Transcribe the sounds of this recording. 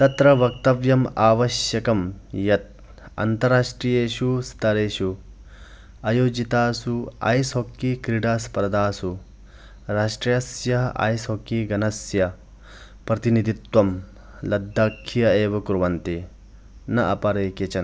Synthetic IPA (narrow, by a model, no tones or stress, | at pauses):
t̪ɐt̪ɾɐʋɐk̚t̪ɐʋjɐmaːʋɐʃjɐkɐmjɐt̪̚ | ɐ̰nt̪ɐɾaːʂʈɾiːjeːʃust̪ʰɐɾeːʃu | ɐjoːd͡ʒit̪aːsua̰ːjsɦokːikɾiɽaːspɾɐd̪aːsu | ɾaːʂʈɾijɐsjɐɦɐʔa̰ːjsokːiɡɐnɐsjɐ | pɾɐt̪inid̪ʱit̪wʋɐm | lɐd̪ʱːaːkʰːijɐeːʋɐkuɾuʋɐnt̪i | nɐʔɐpɐɾeːkjɐt͡ʃɐn